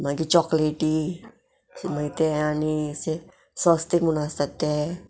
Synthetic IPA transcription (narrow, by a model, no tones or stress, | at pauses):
maɡit͡ʃɔkleɖi | smait̪ɛanisi | sɔst̪iŋmunast̪at̪ɛ